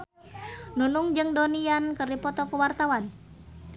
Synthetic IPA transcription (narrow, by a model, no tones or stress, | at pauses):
nunuŋd͡ʒɨŋdoniankərdipɔt̪ɔkəwart̪awan